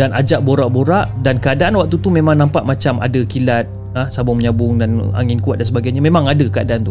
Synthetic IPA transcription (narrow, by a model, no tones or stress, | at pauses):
danʔad͡ʒaʔboɾaʔboɾaʔdankəadaʔanwak̚t̪ut̪umemãŋnãmpaʔmat͡ʃamʔa̰dakilat̪̚ | asabʊŋməɲabʊŋdana̰ŋɪnkuat̪̚dansəbaɡajɲamẽmãŋadakəadaʔant̪u